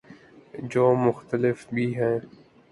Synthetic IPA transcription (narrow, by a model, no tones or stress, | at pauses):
d͡ʒoːmʊxt̪əlɪfbʱiːɦɛː